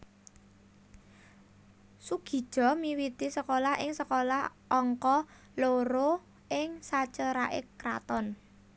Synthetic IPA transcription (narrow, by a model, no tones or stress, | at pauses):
suɡ̥i̤̥ʒ̥ɔ̤miwit̪isəkolaɦʔɪŋsəkolahʔɔŋkɔ | loɾo | ʔɪŋsat͡ʃəɾaʔɪ̰kɾa̰t̪ɔn